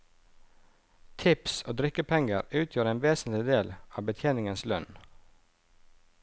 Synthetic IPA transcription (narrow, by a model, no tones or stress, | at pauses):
t̪ʰɪpsoːd̪ɾɪkəpʰɛŋə̰ɾʉːt̪ʰjøːɾeːnʋeːsn̩t̪lɪd̪eːlɑːbət̪ʰjeːnɪŋənslœn